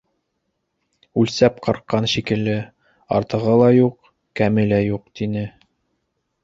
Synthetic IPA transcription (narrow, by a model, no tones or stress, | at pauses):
ʉlsæp̚qɑɾqːɑnʃikɘ̆lːɘ | ɑ̰ɾt̪ɤ̆ʁɤlˠɑjuq | kæmɘlæjuq̚t̪inɘ